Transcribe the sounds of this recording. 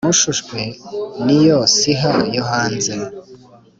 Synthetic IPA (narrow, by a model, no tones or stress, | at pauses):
muʃuʃkwenijosiɦajoɦaːnze